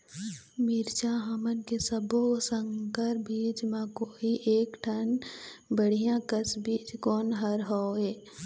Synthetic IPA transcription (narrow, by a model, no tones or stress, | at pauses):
mɪɾt͡ʃaɦəmənkesəbosə̃ŋkəɾbiːd͡ʒmãkoːiʔeːkʈʰənbəɽ̤ijãkəsbiːd͡ʒkɔːnɦəɾɦɔːɦeː